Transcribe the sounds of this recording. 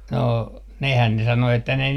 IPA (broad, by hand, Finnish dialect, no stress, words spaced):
no nehæn ne sɑno etːæ ne